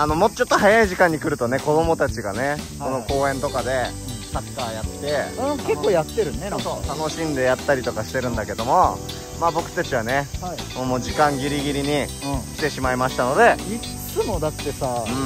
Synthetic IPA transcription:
ano̞mo̞t̪ːot͡ɕo̞t̪ːo̞ɦajaiʑikãɲ̟ːikɯ̟ɾɯ̟t̪o̞ne̞ko̞d̪o̞mo̞t̪at͡ɕiɡa̰ne̞ko̞no̞ko̞ːẽ̞nt̪o̞kad̪e̞ | sakːaːjat̪ːe̞ke̞kːoːjat̪ːeɾɯ̟nesot̪ano̞ɕĩnd̪e̞jat̪ːaɾʲit̪o̞kaɕi̥t̪e̞ɾɯ̟̃nd̪ake̞d̪o̞mo̞ | maːbo̞kɯ̟̥t̪at͡ɕiβ̞aneimoːmoːd͡ʑikãŋɡʲiɾʲiɡʲiɾʲiɲ̟ĩkʲi̥t̪e̞ɕimaimaɕi̥t̪ano̞d̪e̞i | t͡sɨmo̞d̪aːe̞saɯ̟̃

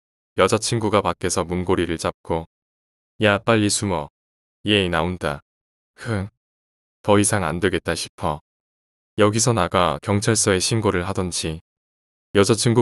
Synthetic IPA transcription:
jʌd͡ʑat͡ɕʰinɡuɡapak͈e̞sʰʌmunɡoɾiɾɯɭt͡ɕ͈ap̚k͈o | jap͈aʎːisʰumʌ | ijeinaonda | kʰɯ | tʌisʰaŋa̰ndeɡe̞t̚t͈aɕʰi̥pʰʌ | jʌɡisʰʌnaɡakjʌŋt͡ɕʰaɭs͈ʌe̞ɕʰinɡoɾɯɭɦadʌnd͡ʑi | jʌd͡ʑat͡ɕʰiŋɡu

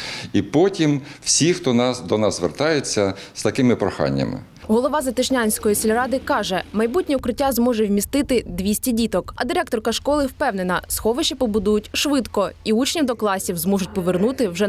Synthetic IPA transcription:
ipɔtʲimw̥sʲixt̪ɔnɑd̪ɔnɑzzʋḛrt̪ɑjet͡sʲːɐst̪ɐkɪmɪpɾɔxɑ̰nʲːɐ̰mɪ̰ | ɦɔlˠɔʋɑzɐt̪ɪʃnʲanʲsʲkɔjisʲɪlʲɾɑd̪ɪkɑʒɛmɐjbutʲnʲiʊkɾɪtʲːazmɔʒɛwmʲist̪ɪt̪ɪd̪ʲʋʲisʲtʲidʲit̪ɔkɐd̪ɪɾɛk̚t̪ɔrkɐʃkɔlˠɪwpɛwnenɐsxɔʋɪʃipɔbʊd̪ujʊtʲʃʋɪd̪kɔiut͡ʃnʲiwd̪ɔklˠɑsʲiwzmɔʒʊtʲpɔʋernut̪ɪwʒɛ

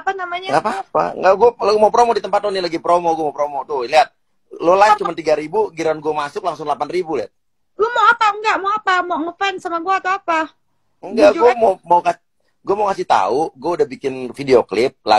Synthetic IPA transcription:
panamaɲaɡapaapa̰ŋɡaʔɡuɛlɡmaupɾomodit̪əmpat̪lonilaɡipɾomoɡuɛmapɾomot̪ʊliat̪̚ | lolaɪt͡ʃumant̪iɡaɾibuɡiɾanɡuamasʊklaŋsʊŋlapanribulia̰t̪̚ | lomawapaəŋɡaʔmawapamoŋəfansamaɡuat̪oapa | əŋɡad͡ʒɡuɛmomawka | ɡuamaukasɪht̪a̰uɡuaudahbikɪnfideoklɪp̚la̰

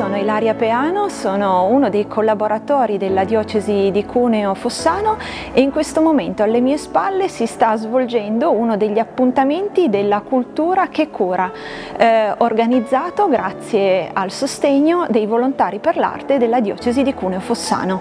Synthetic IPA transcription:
soːnoilaɾjapeaːnosoːnounod̪ejkʰolːaboɾat̪ɔːɾid̪elːad̪jɔːt͡ʃezid̪ikʰuːneofosːaːno | eiŋkwest̪omoment̪oalːemiːespalːesist̪azvold͡ʒɛnd̪ounod̪eʎːiapːunt̪ament̪id̪elːakult̪uːɾak̟ekʰːuːɾa | orɡanid̪zːaːt̪oɡɾʔat̪sːjealsost̪ɛɲːod̪ejvolont̪aːɾiperla̰rt̪ed̪elːad̪jɔ̰ːt͡ʃezid̪ikuːneofosːa̰ːno

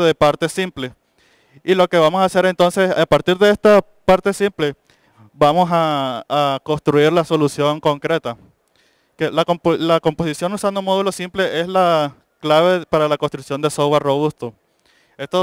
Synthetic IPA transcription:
ðepaɾt̪e̞simple | ilo̞ke̞βamo̞saːse̞ɾe̞nt̪o̞nseapaɾt̪iɾðe̞est̪a | paɾt̪e̞simple̞ | bamo̞saː | ko̞st̪ɾuiɾlaso̞lusjo̞ŋko̞ŋkɾe̞t̪a | kelakoplako̞mpo̞sisjo̞nusand̪omoðulo̞simple̞ʔe̞sla | klaβe̞paɾalakonst̪ɾuksjo̞nd̪esoɣwarro̞β̞ust̪o | e̞st̪o

